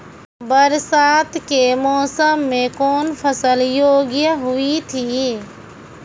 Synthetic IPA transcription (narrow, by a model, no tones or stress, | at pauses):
bəɾsaːt̪ʰkemɔːsəmːẽkɔːnpʰəsəljoːɡjəɦʊit̪ʰiː